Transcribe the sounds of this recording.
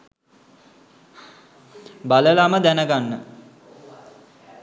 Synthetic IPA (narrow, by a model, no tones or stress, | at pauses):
baləlaməd̪ænəɡanːə̰